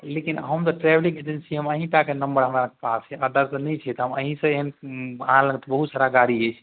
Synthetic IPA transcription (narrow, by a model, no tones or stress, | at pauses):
lekinɦəmt̪ɔʈɾɛblĩŋɡed͡ʒensiɦəməɦĩʈakenəmbəɾɦəmɾakepasɛʔəd̪əɾsənɛt͡ʃʰɛt̪ɦəməɦĩsə̃eɦənaãlə̃ŋɡt̪bəɦut̪saɾaɡaɾiəjt͡ʃʰ